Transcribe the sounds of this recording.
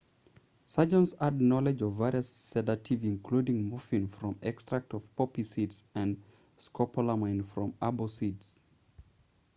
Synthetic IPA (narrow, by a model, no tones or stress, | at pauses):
sad͡ʒə̃nsadⁿnɔlɛd͡ʒɔvːɛɹiəsːɛdatʰivɪ̃nkʰl̥udɪ̃ŋmufĩnfɹɔ̃mɛkstɹ̥ak̚tɔv̥pɔpisidzɨ̃n | skʰɔpʰəlamãɪ̃nfɹɔ̃mabosidz̥